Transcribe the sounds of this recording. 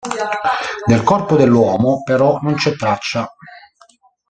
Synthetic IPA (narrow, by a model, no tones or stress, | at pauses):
d̪elkɔrpʊd̪elːwɔːmʊpeɾɔnont͡ʃɛt̪ːɾat͡ʃːa